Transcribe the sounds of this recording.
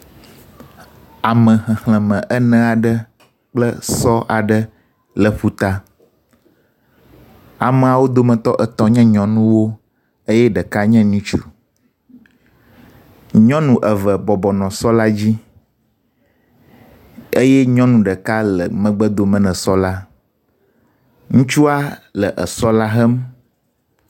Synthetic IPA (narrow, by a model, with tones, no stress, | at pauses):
a˨mə̃˨xɛ̃˨hlɛ̃˨mɛ̃˨ʔə˦nɛ̃˦a˨ɖə˦ | k͡plə˦sɔ˦ʔa˨ɖə˦ | lə˨ɸu˦t̪a˦ | a˨mə̃˨a˨wo˦d̪o˦mə̃˨t̪ɔ˦ʔə˨t̪ɔ˦ɲɛ̃˦ɲɔ̃˨nũ˦wo˦ | e˦jɛ˦ɖə˨ka˦ɲɛ̃˦nĩ˦t͡ʃṵ˨ | ɲɔ̃˦nũ˨ʔə˨və˨bɔ˨bɔ˨nɔ̃˨sɔ˦la˦d͡ʑi˦ | e˦jɛ˦ɲɔ̃˦nũ˨ɖə˨ka˦lə̰˨mə̃˦ɡ͡bə˦d̪o˨mə̃˦nɛ̃˨sɔ˦la˦ | ŋũ˦t͡ʃu˦a˦lə˨ʔə˨sɔ˦la˦ɦɛ˦m